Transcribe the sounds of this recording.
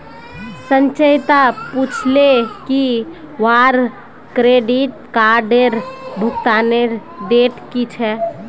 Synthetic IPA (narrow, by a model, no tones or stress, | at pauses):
sə̃nt͡ʃəjt̪aput͡ʃʰleki | ʋaːɾ | kɾeːɖiʈ̚ | kaːɾɖeɾbʱʊkt̪aːneɾɖeːʈkit͡ʃʰɛ